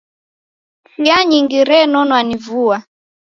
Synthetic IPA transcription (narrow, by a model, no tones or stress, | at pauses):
siaɲiŋɡiɾɛnɔnwanivua